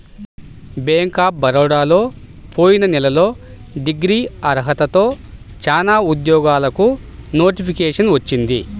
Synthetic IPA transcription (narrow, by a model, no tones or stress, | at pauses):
beːŋkaːp̚bɐɾɔːɽaːlo̞ː | pʰo̞ːjinɐnɛlɐlo̞ː | ɖiɡɾiːɐɾɦɐt̪ɐt̪o̞ː | t͡ʃaːnaːud̪jɔːɡaːlɐku | no̞ːʈipʰikeːʂɐnʋɐt͡ʃːind̪i